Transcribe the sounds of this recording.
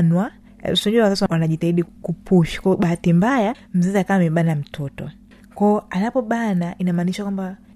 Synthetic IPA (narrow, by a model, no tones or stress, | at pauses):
nwa | siɔɲuawazaswanaʄitahiɗikupuʃi̥kɔɔɓahatimbaja | m̩zɛziakaaːmɛɓanam̩tʰɔtɔ̰ | kɔɔanapɔɓanaʔinamaːniʃakwamba